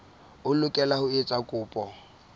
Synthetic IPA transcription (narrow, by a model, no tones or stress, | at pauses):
ʊlʊkʼɛlahʊet͡sʼakʼʊːpʼɔ